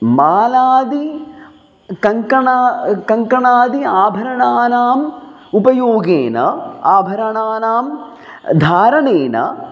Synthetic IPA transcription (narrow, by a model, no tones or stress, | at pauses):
maːlaːd̪i | kɐŋkɐɳaːkɐŋkɐɳaːd̪iaːbʱɐɾɐɳaːnaːm | upɐjoːɡeːnɐ̰aːbʱɐɾɐɳaːnaːm | d̪ʱaːɾɐɳeːnɐ̰